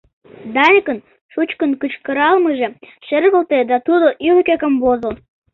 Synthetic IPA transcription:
d̪ɑjkən | ʃut͡ɕkənkət͡ɕkəɾɑlməʒe | ʃerɣəlt̪ed̪ɑt̪ud̪oʔylkekəmbozəl

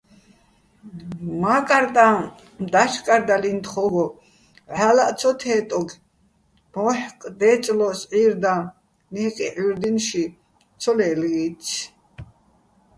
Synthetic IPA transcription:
makʼaɾt̪ʼã | md̪aʃkʼaɾd̪alint̪χɔɡɔ | ʕalaʔ̪t͡sʰɔt̪ʰɛːt̪ʼɔɡ | mɔħkʼd̪ɛt͡sʼlɔsʕiɾd̪ã | niqʼiʕiɾd̪inʃi | t͡sʰɔlɛlɡit͡sʰ

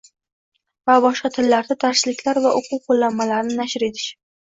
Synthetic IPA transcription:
vabɒʃqɑt̪ʰɪlːaɾd̪at̪ʰaɾʃɪlɪkʲlaɾvaʔʊqʰʊwqʰolːanmalaɾnɪnaʃɪɾe̞t̪ʰɪ̥ʃ

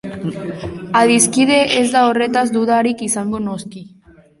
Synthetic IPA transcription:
aðiskiðeʔezðaoret̪azd̪uðaɾikisaŋɡonoski

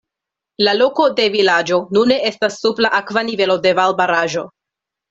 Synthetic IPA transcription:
lalo̞ko̞de̞vilad͡ʒo̞nune̞e̞stasːublaʔakvanive̞lo̞de̞valbaɾaʒo̞

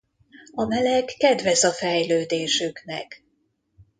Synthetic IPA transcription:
ɒmɛlɛkːɛd̪vɛzɒfɛjløːd̪eːʃyknɛ̰k

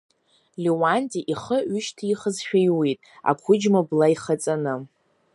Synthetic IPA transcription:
lʲiwantʼiʔiχəʏʃtʰiχəzʃᶣajwitʼa̰kʷʰʊd͡ʒmablaiχat͡sʼanɨ

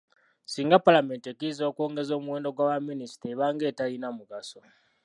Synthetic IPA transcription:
siːŋɡapalame̞ːntekizoko̞ːŋɡe̞zo̞ːmuweːndo̞ɡwaːwaminisi̥teβaːŋɡe̞ːtalinamuɡaso̞

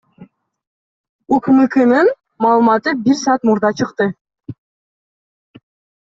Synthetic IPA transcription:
ukmɨkɯnɯn | mɑːlˠɯmɑt̪ɯbiɾsɑːt̪muɾd̪ɑt͡ʃʰɯqt̪ɯ

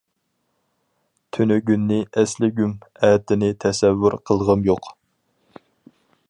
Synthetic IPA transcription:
t̪ʰynyɡʲynːɪʔɛslɪɡʲymɛːt̪ɪnɪt̪ʰɛsɛvːyɾqʰəlˠʁəmjoq

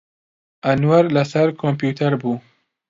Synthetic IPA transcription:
ɐnwɐɾlɐsɐɾkʰompjuːt̪ʰɐɾbuː

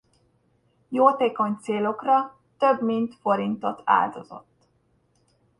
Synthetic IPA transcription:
joːt̪eːko̞ɲt̪seːlo̞krɒ | t̪øbmint̪fo̞ɾint̪o̞t̪ʰa̰ːld̪o̞zo̰t̪ː

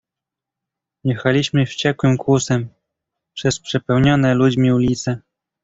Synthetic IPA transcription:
jɛxalʲiɕmɘft͡ɕɛkwɘmkwusɛm | pʂɛspʂɛpɛwɲɔnɛlud͡ʑmʲiulʲit̪sɛ

